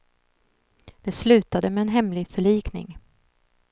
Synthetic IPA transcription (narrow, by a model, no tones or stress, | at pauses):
d̪̥ɛslʉ̟ːt̪ad̪əmɛːnɦɛmlɪɡfœɭiːknɪ̰ŋ